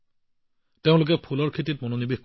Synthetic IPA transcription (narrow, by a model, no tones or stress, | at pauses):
teʊ̃lʊk̬ɛpʰulɔɹkʰet̬it̚mononibixk